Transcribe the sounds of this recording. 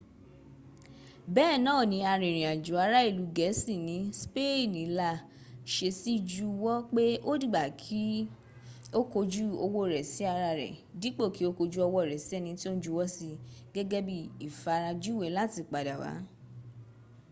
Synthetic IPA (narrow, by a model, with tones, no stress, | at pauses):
bɛ˦˨nãː˦˨nĩ˨˧˦a˧ɾẽ˨ɾ̃ĩ˨a˨d͡ʒu˨˦a˧ɾa˦i˦˨lu˨˦ɡɛ˨˦si˦˨nĩ˨˦spe˦˨nĩ˨˦la˧ | ʃe˧si˦d͡ʒu˦˧wɔ˦k͡pe˦o˦di˦˨ɡ͡ba˨kʰi˦ | o˦ko˧d͡ʒu˦o˧wo˦˨ɾɛ˨si˨˦a˧ɾa˧ɾɛ̰˨di˨˦k͡po˦˨ki˨˦o˦ko˧d͡ʒu˦ɔ˧wɔ˦˨ɾɛ˨si˨˦ɛ˦˧nĩ˧ti˦o˦n˦d͡ʒu˧wɔ˦si˧ɡɛ˦ɡɛ˦bi˦i˨fa˧ɾa˧d͡ʒu˦˨we˨˦la˦˨ti˧˨k͡pa˨da˨wa̰˨˦